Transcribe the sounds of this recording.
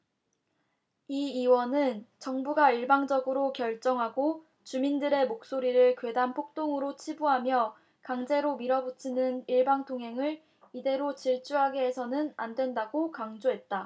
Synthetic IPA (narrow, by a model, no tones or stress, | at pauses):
iiwʌnɯnt͡ɕʌŋbuɡaiɭbaŋd͡ʑʌɡɯɾokjʌɭt͡ɕ͈ʌŋɦaɡo | t͡ɕumindɯɾe̞mok̚s͈oɾiɾɯɭkwe̞danpʰok̚t͈oŋɯɾot͡ɕʰibuɦamjʌ | kaŋd͡ʑe̞ɾomiɾʌbut͡ɕʰinɯniɭbaŋtʰoŋɦe̞ŋɯɭ | ide̞ɾot͡ɕiɭt͡ɕ͈uɦaɡe̞ːsʰʌnɯna̰ndwe̞ndaɡokaŋd͡ʑoɦe̞t̚t͈a